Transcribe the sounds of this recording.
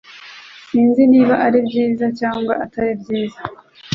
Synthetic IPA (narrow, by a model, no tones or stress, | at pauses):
inziniːβaʔaɾibɟiːzacaːŋɡwa̰ʔataɾibɟiːza